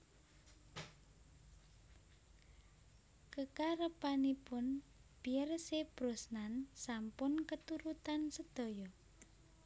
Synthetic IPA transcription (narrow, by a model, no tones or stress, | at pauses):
kəkaɾəpanipʊnb̥iərseb̥ɾosnansampʊnkət̪uɾut̪ansəd̪̥o̤jɔ